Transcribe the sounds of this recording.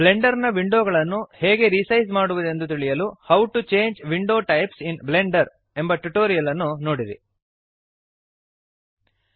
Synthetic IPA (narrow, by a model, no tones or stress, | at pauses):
ble̞ɳɖɐɾnɐʋiɳɖoːɡɐɭɐnːuheːɡe̞ɾisɐjsmaːɽuʋɐd̪e̞nd̪ut̪iɭijɐluhɐwʈut͡ʃe̞ːɲd͡ʒʋiɳɖo̞ːʈɐjpsinbleɳɖɐɾ | e̞mbɐʈuʈoːɾijɐlɐnːuno̞ːɽiɾḭ